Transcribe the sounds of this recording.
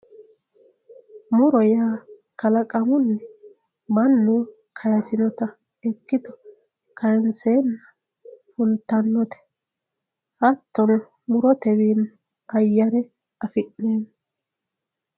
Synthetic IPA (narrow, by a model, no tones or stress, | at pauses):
mʊɾɔjaː | kɐlɐkʼɐmʊnːɛ | mɐnːuː | kʰɐjɐsɪnɔt̪ɐ | ɛkːɪd̪ɔ | kʰɐjɛnseːnːɐ | fʊnt̪ːɐnːɔt̪ɛ̥ | ʔɐt̪ːɔn | mʊɾɔt̪ɛwiːn | ʔɐjːɐɾɛ | ɐfɪʔːeːnː